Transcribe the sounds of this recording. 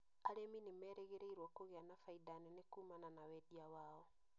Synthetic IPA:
aɾeminimɛːɾɛɣeɾeiɾwakoɣeanafaidanɛnekuːmananawɛdiawaːɔ

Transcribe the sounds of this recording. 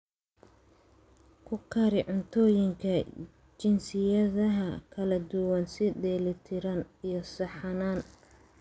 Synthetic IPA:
kʰʊkʰɐɾɪʕʊnt̪ʰɔːjɪŋkʰɐ | t͡ʃɪnsɪjɐðɐɦɐkʰɐlɐd̪ʊwɐnsɪd̪ɛːlɪt̪ʰɪɾɐnijɞsɐħɑnaːn

